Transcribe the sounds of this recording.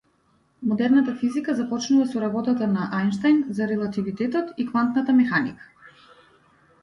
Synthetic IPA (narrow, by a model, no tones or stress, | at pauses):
mɔd̪ɛɾnat̪afizikazapɔt͡ʃnuvasɔɾabɔt̪at̪anaʔajnʃt̪ajnzaɾɛlˠat̪ivit̪ɛt̪ɔt̪ikvant̪nat̪amɛxanikḁ